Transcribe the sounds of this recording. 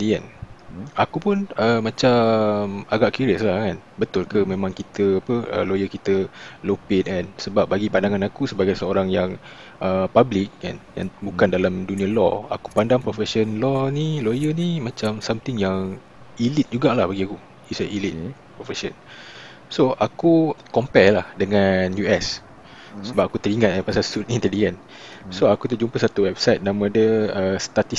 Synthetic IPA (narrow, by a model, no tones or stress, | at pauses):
diɛ̰n | akupʊnəmːãt͡ʃamaɡaʔkuɾiəslahkan | bət̪ʊlkəmẽmãŋkit̪əapəə̰lojəkit̪əlopet̪̚ɛnsəbap̚baɡipandaŋanakusəbaɡajsəoɾaŋjaŋ | ʔəpablɪk̚ka̰nja̰ŋbukandalamdunĩalɔ̰a̰ku̥pandaŋpɾofɛsənlɔnilojənimãt͡ʃamsamt̪ɪŋjaŋ | ilit̪̚d͡ʒuɡaʔlahbaɡiaku | isaʔilit̪̚pɾofɛʃə̰n | soʔakukɔmpɛlahdəŋãnjuɛs | səbap̚akut̪əɾiŋãt̪̚apasalsut̪int̪ɛlid͡ʒən | soakut̪əd͡ʒumpəsat̪uwɛb̚sajt̪̚nãmãdəəst̪at̪i